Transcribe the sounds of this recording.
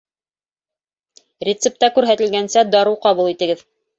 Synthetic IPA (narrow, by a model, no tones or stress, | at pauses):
rʲɪt̪sɘp̚t̪ɑkʉɾɦæt̪ɘ̆lɡænsæd̪ɑɾuwqɑβulˠit̪ɘ̆ɡɘð